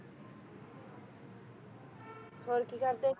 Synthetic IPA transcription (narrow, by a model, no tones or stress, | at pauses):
fʰoɾkikaɾt̪e